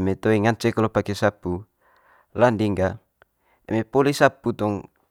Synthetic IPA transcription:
met̪oiŋant͡ʃɛkalopakesapu | landiŋɡa | ḛmepolisaput̪ɔŋ

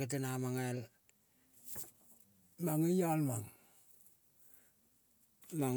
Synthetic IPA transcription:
et̬enamaŋel | maŋijalmaŋ | maŋ

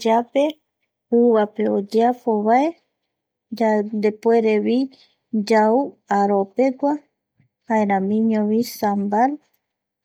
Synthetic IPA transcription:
d͡ʒape | uβapeod͡ʒeafoβae | d͡ʒand̪epoeɾeβi | d͡ʒauaɾopeɡʷa | haeɾãmĩɲõβisambal

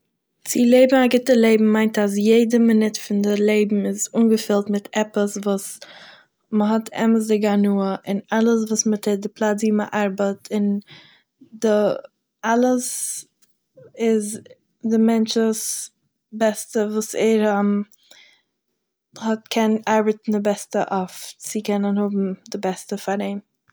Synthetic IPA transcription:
t͡sɪlˠeɪbm̩aɡɪtəlˠeɪbm̩maɪntas̬jeɪdəmɪnɪtfɪndɪlˠeɪbm̩ɪzuːnɡəfɪlˠtmɪtʰɛpəsvuːs | məɦɔtʰɛ̰məsdɪɡanuːəʔɪnalˠəs̬vuːsmətʰɪdɪplˠat͡siːməʔaɾbətʰɪn | dɪ | alˠəs | ɪz | dɪmɛnt͡ʃəs | bɛstəvuːsɛɾam | hɔtkʰɛnaɾbətn̩dɪbɛstəʔɔft͡sɪkɛnənhʊbm̩dɪbɛstəfaɾeɪm

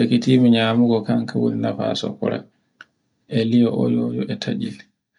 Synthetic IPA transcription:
ekitiːmiɲaːmuɡɔkaŋkawṵnnafa̰sɔ̰kɔɾa̰ | ʔɛlijɔʔɔ̰lɔd͡ʒɔʔɛtʰad͡ʒil

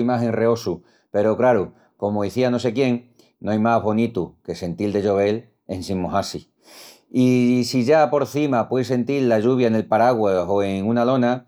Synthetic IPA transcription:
imaɦe̞ŋre̞o̞su | pe̞ɾokɾaɾu | ko̞moiθiano̞s̬e̞kje̞ŋ | noajmaɦβo̞nit̪uke̞se̞nt̪ild̪e̞ʎo̞β̞e̞l | e̞nsĩmːoɦasi | isiʝapo̞ɾθimapwes̬e̞nt̪ilːaʝuβ̞jaene̞lpaɾaɣwao̞eŋunalo̞na

